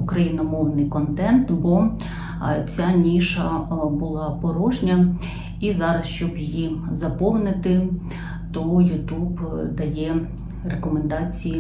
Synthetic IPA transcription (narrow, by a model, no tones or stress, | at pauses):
ukɾɐjinɔmɔwnɪjkɔnt̪ɛnt̪bɔ | t͡sʲanʲiʃɐbʊlˠɑpɔɾɔʒnʲɐ | izɑɾɐsʃt͡ʃɔbjijizɐpɔwnɪt̪ɪ | t̪ɔujʊt̪ubd̪ɐjɛ | rekɔmend̪ɑt͡sʲiji